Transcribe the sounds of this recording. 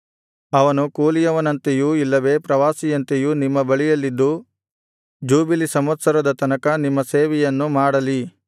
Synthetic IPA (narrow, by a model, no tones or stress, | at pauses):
ɐʋɐnukuːlijɐʋɐnɐnt̪ejuilːɐʋe̞ːpɾɐʋaːsijɐnt̪ejunimːɐbɐɭijɐlːid̪ːu | d͡ʒuːbilisɐmɐt̪sɐɾɐd̪ɐt̪ɐnɐkɐnimːɐseːʋɛjɐnːumaːɽɐli